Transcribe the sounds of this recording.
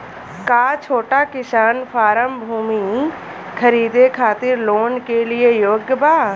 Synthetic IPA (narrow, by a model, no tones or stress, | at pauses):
kaːt͡ʃʰoːʈakɪsaːnpʰaːɾəmbʱuːmi | kʰəɾiːd̪ekʰaːt̪ɪɾloːnkelɪejoːɡbaː